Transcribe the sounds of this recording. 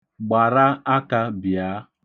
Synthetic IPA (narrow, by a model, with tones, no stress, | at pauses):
ɡ͡ba˨ɾa˦a˦ka˦bja˨˦